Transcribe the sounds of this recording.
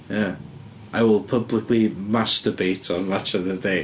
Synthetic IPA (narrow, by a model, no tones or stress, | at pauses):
ja | ʔaɪwɪlˠpʰəblˠɪkʰlˠimastəbejtʰɔnmat͡ʃɔvðədej